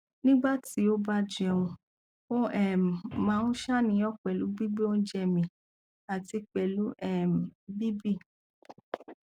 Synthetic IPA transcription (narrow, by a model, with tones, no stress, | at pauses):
nĩ˦ɡ͡ba˦ti˨˦o˦ba˦d͡ʒɛ˧ũ˧ | o˦ɛ˦˨mãː˨˦nũ˦ʃa˦nĩ˨˧˦ɔ˦k͡pɛ˨lu˨˦ɡ͡bi˦ɡ͡bi˦o˦n̩˦d͡ʒɛ˧mĩ˧ | a˨ti˧k͡pɛ˨lu˨˦ɛ˦˨m˨bi˦bi˦˨